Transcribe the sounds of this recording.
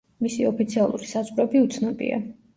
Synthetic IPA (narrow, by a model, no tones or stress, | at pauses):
misiɔpit̪sʰialˠṵɾisazʼvɾɔbiut̪sʰnɔbḭa̰